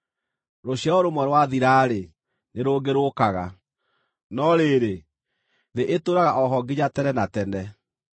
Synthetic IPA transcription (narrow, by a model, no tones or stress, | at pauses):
ɾoɕjaoɾomwɛɾwaðiɾaɾe | neɾoːɡeɾokaɣa̰ | nɔɾeɾe | ðeʔetoɾaɣaʔɔɦɔɡiɲatɛnɛnatɛnɛ